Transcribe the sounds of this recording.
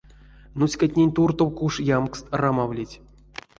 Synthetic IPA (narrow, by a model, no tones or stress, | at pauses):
nusʲkatʲnʲenʲt̪urt̪owkuʂjamkst̪ramavlʲitʲ